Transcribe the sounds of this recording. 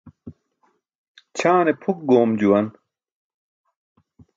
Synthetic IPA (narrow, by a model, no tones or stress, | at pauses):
t͡ɕʰaːnepʰuk̚ɡoːmd͡ʑuwɐn